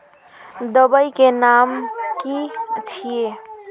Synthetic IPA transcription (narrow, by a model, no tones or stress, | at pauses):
d̪əbəjkenamkit͡ʃʰije